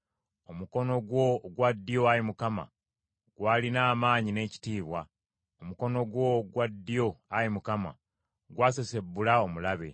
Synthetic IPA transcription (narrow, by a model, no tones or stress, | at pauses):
o̞muko̞no̞ɡwo̞ɡwad̪ːijo̞ajimukama̰ | ɡ̥waːlinaːmaːɲine̞ːci̥tiːβwa̰ | omuko̞no̞ɡwo̞ɡwadːijo̞ajimukama̰ | ɡwaːsese̞bːulao̞mulaβe̞̰